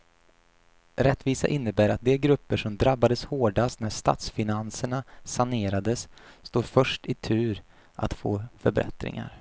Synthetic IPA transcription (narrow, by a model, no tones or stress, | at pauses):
ɾɛt̪ːviːsa̰ʔɪnːəbæːɾat̪̚d̪ɛɡɾɵpːəʂɔmd̪ɾabːad̪əshoːɖast̪næʂt̪a̰ːt̪sfɪnansəɳasaneːɾad̪əsːt̪uːɾfœʂʈɪt̪ʰʉ̟ːɾ | ʔa̰t̪foːfœɾbɾɛ̰t̪ɾɪ̰ŋa̰ɾ